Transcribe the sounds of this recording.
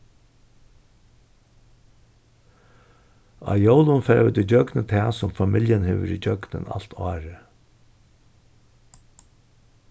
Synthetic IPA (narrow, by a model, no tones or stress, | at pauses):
ɑ̰jowlʊnfɛːɾʋɪt̪ɪd͡ʒœɡnət̪ʰɛːsʊmfamɪljənheːʋə̰ɾid͡ʒœɡnə̰na̰l̥t̪ʰɑːɾə